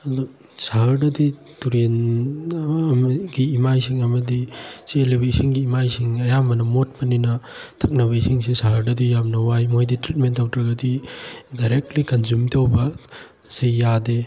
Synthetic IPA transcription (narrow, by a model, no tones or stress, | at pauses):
ɐdo | saɦɐɾdɐdi | tuɾen | mɡiːmajsiŋɐmɐdisilibiisiŋɡiːmajsiŋɐjamɐnɐmot̚pɐninɐ | tʰɐk̚nɐβɐisiŋsisaɦɐɾdɐdijamnɐwajmojditɾit̚mentːawtɾɐɡɐdidajɾek̚tlikɐnzumtawbɐ | sejːade